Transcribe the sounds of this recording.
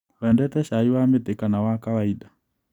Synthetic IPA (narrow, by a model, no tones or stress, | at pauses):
wɛndɛtɛʃaiwamet̪ekanawakawaida